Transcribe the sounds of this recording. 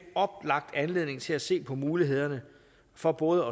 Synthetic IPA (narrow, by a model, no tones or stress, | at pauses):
ɒ̽b̥lɑ̈ɡ̥̚d̥ænle̝ð̰ˠne̝ŋt͡sʰe̝læse̝̰ːpʰɒ̽muːliɦe̝ð̰ˠɐnə | fɒ̽b̥ɔ̽ːðˠəɒ̽